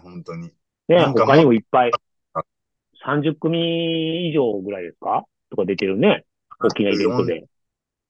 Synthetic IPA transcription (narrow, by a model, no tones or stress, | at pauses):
hõnt̪oɲi | ne̞hokaɲ̟imo̞ipːai | sãɲ̟d͡ʑɨkːɯmʲĩiʑo̞ːɡɯ̟ɾaid̪e̞sɨ̥ka | t̪o̞kad̪e̞t̪e̞ɾɯ̟ne̞ | okʲːinaibẽ̞nt̪o̞d̪ḛ